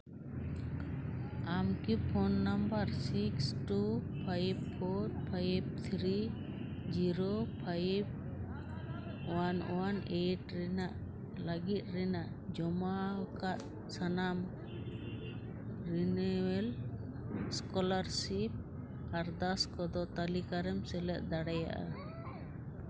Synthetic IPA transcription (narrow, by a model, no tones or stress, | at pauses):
amkipʰɔnːambaɾsiksʈupʰajb̚pʰɔɾpʰajb̚t̪ʰɾi | d͡ʒiɾopʰajb̚ | wanɔwaneʈɾɛnaʔ | laɡit̪̚ɾɛnaʔ | d͡ʒɔmakat̪̚ | sanam | ɾinɛwɛl | skɔlaɾsip̚ | kaɾd̪askɔd̪ɔt̪alikaɾɛmsɛlɛt̪̚d̪aɽaja̰ʔa̰